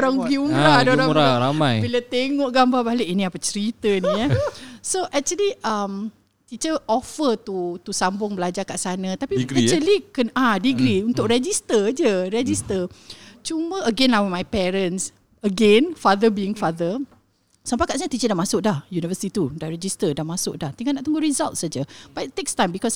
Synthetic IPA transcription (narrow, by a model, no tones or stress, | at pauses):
ɾaŋuɡiumɾadoɾaɾaɾamajbilət̪eŋɔʔɡambabaleʔinĩapət͡ʃəɾit̪ənijasoʔɛk̚t͡ʃuəliʔəm | t̪it͡ʃəʔɔfət̪ut̪usambʊŋbəlad͡ʒakaʔsanãt̪apiɡət͡ʃəlikənadiɡɾiunt̪ʊʔɾɛd͡ʒist̪əd͡ʒəɾɛd͡ʒist̪ət͡ʃumə̃əɡɛnawəmajpɛɾə̃ns | əɡɛ̃nfaðəbiɪŋfaðə | sampajkaʔs̬aɲat̪it͡ʃədaʔmasʊk̚dahjunivəsit̪it̪udaɾɛd͡ʒist̪ədamasʊʔ̚daht̪iŋaʔnaʔt̪uŋɡʊɾizalt̪̚sad͡ʒəb̥at̪ːekst̪ãjmbikɔs